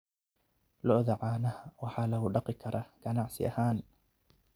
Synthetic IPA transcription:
lɔʔðaʕaːnɐhawɑħaːlɐɦʊɖɑqɪkʰɐɾʔɐɡ̥ɐnaʕsɪ̰ʔɐ̰haːn

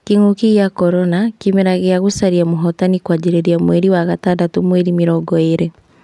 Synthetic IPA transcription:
kiŋokiɣjakɔɾɔnakimeɾaɣeaɣusaɾiamoɦɔtanikwad͡ʒiɾeɾiamweɾiwaɣatadatomweɾimiɾɔɡɔeɾe

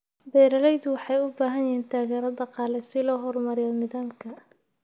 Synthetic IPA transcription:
bɛːɾɐlɛjd̪ʊwɑħɑjʊbaːɦɐnjɛːnt̪ʰaːɣɛːɾɐd̪ɐqɑːlɛsɪlɔːɦɔrmɐɾɪjaːlnɪðaːmkʰɐ

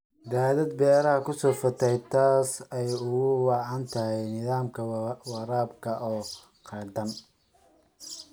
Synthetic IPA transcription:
d̪aːlɐd̪̚bɛːɾɐhɐkʰʊsɔːfɐt̪ʰɛjt̪ʰaːsɛjʊɣʊwɑʕɑnt̪ʰɐɦɛjnɪðaːmkʰɐwɑɾaːbkʰɐʔɔː | qʰɑrd̪ɐn

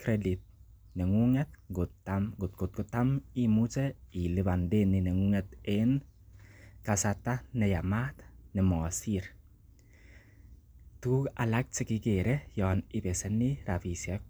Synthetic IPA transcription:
kɾɛdit̪̚ | nɛŋuŋɛt̪̚ɡʊtamɡʊt̪̚ɡ̥ʊt̪̚ɡʊt̪ːamimut͡ʃɛilɪbandenɪnɛŋuŋɛt̪en | kasat̪ːanɛjamat̪nɛmɔsiɾ | t̪uːkalak̚t͡ʃɪkɪkeɾɛjɔːnɪpɛsɛniɾafisjɛk̚

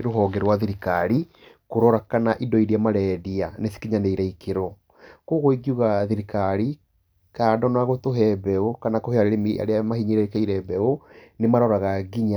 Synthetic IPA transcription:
ɾoɦɔːɡɛɾwaðiɾikaɾi | koɾɔɾakanaʔidɔiɾiamaɾɛdianesi̥kiɲaneiɾaikeɾɔ | koɣoiɡiuɣaðiɾikaɾi | kadɔnaɣotoɦɛbɛokanakoheaɾeɾemia̰ɾeamahiɲiɾaikaiɾɛbɛo | nemaɾɔɾaɣaɡiɲa

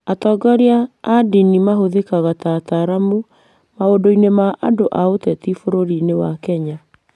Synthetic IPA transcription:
atɔɡɔɾiaːdinimaɦoðekaɣatataɾamu | maodoinemaʔadoʔaotɛtifoɾoɾinewakɛɲa

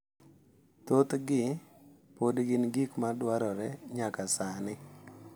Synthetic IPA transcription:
t̪ot̪ɡɪ | podɡɪnɡikmadwaɾɔɾɛɲakasanɪ

